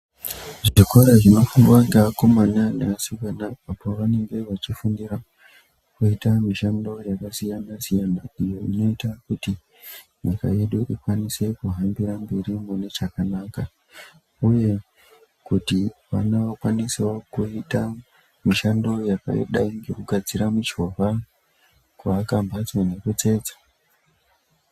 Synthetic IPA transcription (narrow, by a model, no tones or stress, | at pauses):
ʐʐikoɾaʐino̞fuŋɡwaŋɡaakomananeasukanaapoʋaneŋɡe̞ʋat͡ʃifundiɾa | kuitamiʃando̞jakasijanasijanandijo̞ino̞itakuti | jaka̰jeɗuʔikwanise̞kuɦambiɾambeɾimunet͡ʃakanaka | uje̞ | kutiʋa̰naokwaniswokuita | miʃando̞jaka̰jo̰ɗaiŋɡe̞kuɡʱad͡ziɾamut͡ʃo̞ʋa | kwaːkambat͡sone̞ket͡se̞ːd͡zḁ